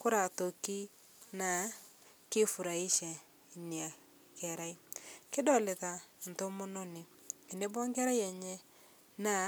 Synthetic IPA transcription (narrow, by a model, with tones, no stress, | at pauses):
ko˦ɾa˨to˨ki˦ | na˨ | ke˦fu˨ɾa˨i˦ʃɛ˨ | ni˨a˨ | kɛ˨ɾa˦i˦kɪ˦dɔ˨le˨ða˨n̩˨to˦mo˦no˦ni˨ | e˨ne˦bɔ˦ŋɡɛ˦ɾa˦jɛ˨ɲɛ˦ | na˨